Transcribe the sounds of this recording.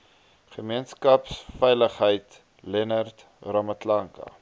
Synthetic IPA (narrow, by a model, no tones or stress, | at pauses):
χəmiənskɐpsfɛjləχɦəjt | lɛnɐrt | rɐmɐtlɐŋkɐ̰